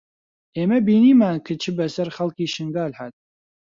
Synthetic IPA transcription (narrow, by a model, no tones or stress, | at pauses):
ʔeːmɐbiːniːmaːnkʰɨt͡ʃʰɨbɐsɐɾχɐlkiːʃɨŋɡaːlhaːt̪̚